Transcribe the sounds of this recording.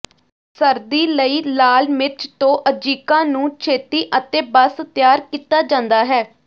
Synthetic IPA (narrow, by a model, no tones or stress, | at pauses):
səɾd̪iːləiːlaːlmɪt͡ʃt̪õːʔəd͡ʒiːkãːnũːt͡ʃʰeːt̪iːʔət̪eːbəst̪jaːɾkiːt̪aːd͡ʒãːnd̪aːɦɛː